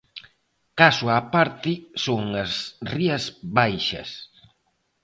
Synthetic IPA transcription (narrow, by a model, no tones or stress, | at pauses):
kasʊapaɾt̪ɪsoŋɐsriɐzβajʃɐ̰s